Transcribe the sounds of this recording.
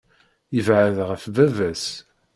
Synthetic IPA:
jəvʕəðʁəfvævæs

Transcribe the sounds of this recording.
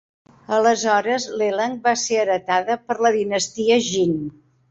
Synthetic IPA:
ələzɔɾəzleləŋbaseəɾət̪aðəpəɾləðinəst̪iəʒin

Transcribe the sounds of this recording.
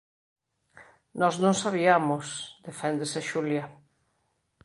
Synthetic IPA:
nɔznõŋsaβiamʊsd̪efɛnd̪eseʃuljɐ

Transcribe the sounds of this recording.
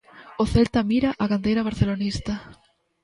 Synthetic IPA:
oθelt̪amiɾaʔaɣand̪ejɾaβ̞aɾθelonist̪a

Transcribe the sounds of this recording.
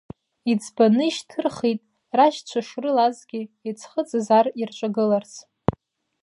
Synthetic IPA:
id͡zʰbanɨiʃtʰɨrχitʼ | raʒt͡ɕʷʰaʂrɨlazɡʲɪet͡sʰχət͡sʼazarirt͡ʃʷʼaɡɨlart͡sʰ

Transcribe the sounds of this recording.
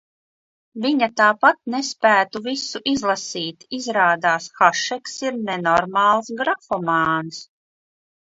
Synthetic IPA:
viɲat̪aːpat̪̚nɛspæːt̪uvisuʔizlˠasiːt̪izɾaːd̪aːsxaʃɛksiɾnɛnɔɾmaːlˠsɡɾafɔmaːns

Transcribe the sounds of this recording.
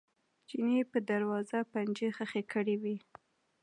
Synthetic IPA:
d͡ʒinepəd̪aɾwɑzapand͡ʒexəxekəɽiwi

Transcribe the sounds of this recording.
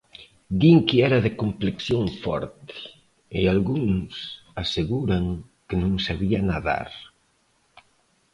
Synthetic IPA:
d̪iŋkiɛɾɐðɪkompleksjoŋfɔ̰ɾt̪ɪ̥ | ɪalɣuŋs | aseɣuɾaŋkɪnõŋsaβianaða̰ɾ

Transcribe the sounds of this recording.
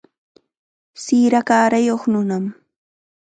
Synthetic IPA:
siːɾakaːɾajoχnʊnam

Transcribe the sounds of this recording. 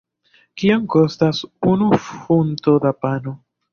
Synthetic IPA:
kiaŋko̞stasunufunto̞dapano

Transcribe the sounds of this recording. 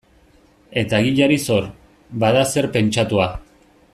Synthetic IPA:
e̞t̪aɣiʎaɾiso̞ɾ | baðase̞ɾpe̞nt͡ʃat̪ua

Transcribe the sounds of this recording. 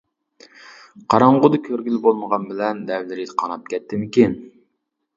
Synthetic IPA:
qʰɑɾɑɴʁʊd̪ɨkʲʰøɾɡʲylbolˠməʁɑnbɪlɛnd̪ɛvlɪɾid̪ɨqʰɑnɑp̚kʲɛt̪ʰːɪmɪkʲin

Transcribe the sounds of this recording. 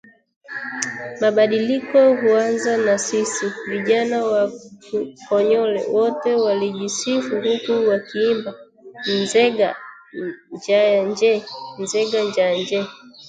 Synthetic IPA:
maɓaɗilikɔhuanzanasisiviʄanawakukɔɲɔlɛ̰wɔtɛwaliʄisifuŋɡukuwakiːmba | ninzɛɡa | d͡ʒajand͡ʒɛnzɛɡaɲd͡ʒand͡ʒɛ

